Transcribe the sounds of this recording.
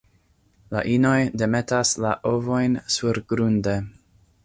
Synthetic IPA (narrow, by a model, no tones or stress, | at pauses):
la̰ʔino̞jdeme̞taslaʔovo̞jnsuɾɡɾunde̞